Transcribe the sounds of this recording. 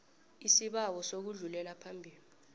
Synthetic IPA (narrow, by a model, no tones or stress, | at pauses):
isiɓawɔsok̬uɮulɛlapʰambʱiːli